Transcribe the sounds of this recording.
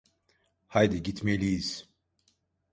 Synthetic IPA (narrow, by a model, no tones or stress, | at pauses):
hajd̪iɟit̪ʰmelʲijiz̥